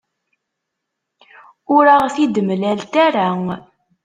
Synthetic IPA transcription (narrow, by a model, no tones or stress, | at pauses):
ʊɾaʁθid̪əmlælt̪æɾæ